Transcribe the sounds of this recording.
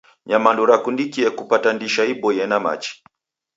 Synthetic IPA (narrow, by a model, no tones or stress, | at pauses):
ɲamanduɾakundikiɛkupatandiʃaibɔjɛnama̰t͡ʃi̥